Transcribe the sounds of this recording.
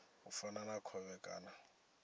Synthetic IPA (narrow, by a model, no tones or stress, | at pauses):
ufananakʰɔβɛkʼa̰ːna